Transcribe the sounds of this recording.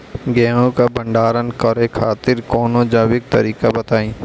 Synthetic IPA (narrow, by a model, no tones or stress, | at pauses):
ɡɛːɦõkabɐ̃ɳɖaːɾənkəɾekʰaːt̪ɪɾkɔːnod͡ʒaːwɪk̚t̪ɐɾiːkabɐt̪aːĩː